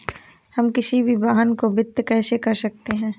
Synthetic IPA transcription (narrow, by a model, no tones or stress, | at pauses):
hɐmkɪsibʱibaːɦənkobɪt̪ːkɛːsekɐɾsɐk̚t̪eɦɛ̃ː